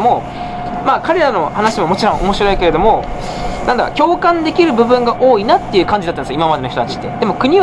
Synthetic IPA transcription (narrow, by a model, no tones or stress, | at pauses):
mo | maːkaɾe̞ɾano̞hanaɕimo̞mo̞t͡ɕiɾõ̞ʔomo̞ɕiɾo̞ike̞ɾe̞d̪o̞mo̞ | nãnd̪a̰kʲo̞ːkãnd̪e̞kʲiɾɯ̟bɯ̟bɯ̟̃ŋɡaʔo̞ːinat̪ːe̞jɯ̟ːkãɲd͡ʑid̪at̪ːanskːaimamad̪e̞noçʲit̪ot̪at͡ɕi̥t̪ːe̞̰d̪̥e̞mo̞kɯ̟ɲ̟i